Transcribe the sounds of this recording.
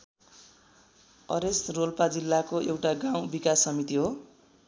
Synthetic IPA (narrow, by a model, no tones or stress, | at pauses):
ʌ̰ɾesrolpad͡zilːakoʔewʈaɡaw̃bikasːʌmit̪iɦo